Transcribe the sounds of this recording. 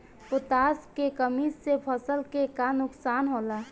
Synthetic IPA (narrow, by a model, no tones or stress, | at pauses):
pʊt̪aːskekəmissepʰəsəlkekanʊksaːnɦola